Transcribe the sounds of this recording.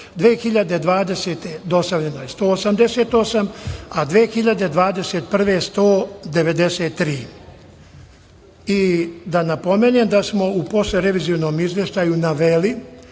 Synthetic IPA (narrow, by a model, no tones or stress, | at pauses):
d̪ʋeːxiʎad̪e̞d̪ʋaːd̪e̞seːt̪e̞d̪o̞st̪aʋʎe̞nojest̪oːosamd̪eset̪o̞samad̪ʋeːxiʎad̪e̞d̪ʋaːd̪e̞set̪̚pr̩ʋe̞st̪o̞ːd̪e̞ʋe̞d̪eseːt̪ːɾiː | id̪anapo̞meːneːmd̪asmo̞upo̞sleɾe̞ʋiːziono̞ːmizʋje̞ʃt̪ajunaʋeli